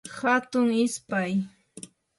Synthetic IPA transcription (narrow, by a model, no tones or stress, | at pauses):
hat̪ʊŋɪspaj